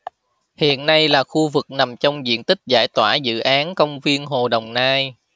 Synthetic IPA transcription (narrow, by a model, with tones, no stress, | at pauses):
hḭ˧˨ənːa˧jlaː˨˩xu˧vɨ˨˩k̚na˨˩mt͡ɕɔ˧wŋ͡mzḭ˧˨ənt̪ï˦˥k̚zaː˧˩jt̪waː˧˩zɨ̰˧˨ʔaː˨˦nkə˧wŋ͡mvi˧ənɦo˨˩ɗə˨˩wŋ͡mnaː˧j